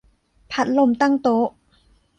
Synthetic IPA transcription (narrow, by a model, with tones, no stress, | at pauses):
pʰa˦˥t̪̚lo˧˩mt̪a˥˩ŋt̪o˦˥ʔ